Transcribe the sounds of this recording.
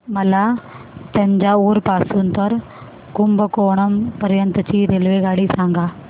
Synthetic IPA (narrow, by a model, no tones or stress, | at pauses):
mɐlaː | t̪ɐɲd͡ʒaːuːɾpaːsunt̪ɐɾ | kʊmbəkoːɳ̃ɐmpɐɾjɐnt̪t͡ɕiːɾelʋeɡaːɽiːsãːŋɡaː